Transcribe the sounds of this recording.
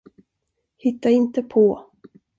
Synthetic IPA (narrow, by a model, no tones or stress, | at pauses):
hɪt̪ːaɪnt̪əpʰɔ